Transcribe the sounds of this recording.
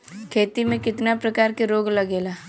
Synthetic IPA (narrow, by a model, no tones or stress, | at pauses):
kʰeːt̪imẽkɪt̪napɾɐkaːɾkeɾoːɡlɐɡeːlaː